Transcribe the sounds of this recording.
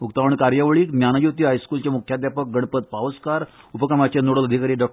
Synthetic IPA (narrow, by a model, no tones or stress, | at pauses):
ukt̪aʋəɳkaɾjəʋɭiːknjanajut̪iːajskult͡ɕamukʰjad̪japək̚ɡəɳ̃pət̪̚paʋəskaɾupəkɾamat͡ɕenoɽələd̪ʱikaɾiːɖɔ